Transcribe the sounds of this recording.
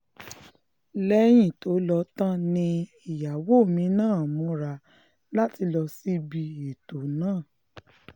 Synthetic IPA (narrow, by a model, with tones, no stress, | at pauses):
lɛ˧˦j̃ĩ˦˨to˨˦lɔ˧˦tã˦nĩ˧ | i˨ja˨wo˦˨mĩ˨˦nãː˦˨mũ˨˦ɾa˧˨ | la˦ti˧lɔ˧si˦bi˧e˨to˨nãː˦˨